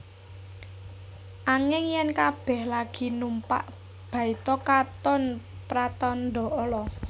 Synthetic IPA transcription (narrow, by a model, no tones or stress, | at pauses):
ʔaŋɪŋjɛnkab̥ɛ̤hlaɡ̥i̤numpa̰ʔ | b̥a̤it̪ɔkat̪ɔn | pɾat̪ɔnd̪ɔ̤ʔɔlɔ